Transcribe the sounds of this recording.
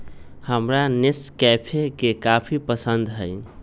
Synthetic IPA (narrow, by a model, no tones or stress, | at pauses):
həmɾaneskɛpʰekekapʰipəsənd̪ɦəj